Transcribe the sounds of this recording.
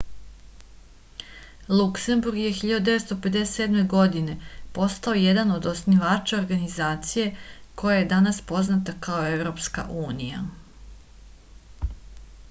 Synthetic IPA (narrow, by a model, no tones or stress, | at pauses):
lˠukse̞mbuɾɡje̞xiʎad̪ud̪e̞est̪ope̞d̪e̞se̥e̞d̪me̞ɡo̞d̪ine̞po̞st̪ao̞je̞d̪ano̞d̪o̞sniʋaːt͡ʃaoɾɡanizaːt̪sije̞kʰo̞jaje̞d̪anaspo̞znat̪akao̞e̞vɾo̞pska̰ʔuːnija̰